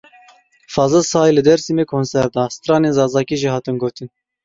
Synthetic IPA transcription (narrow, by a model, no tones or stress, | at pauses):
fɑːzɛsɑːjlɨd̪ɛɾsimeːkʰoːnsɛɾd̪ɑːsɨ̥t̪ɾɑːneːnzɑːzɑːkiʒiːhɑːt̪ɨnɡoːt̪ɨn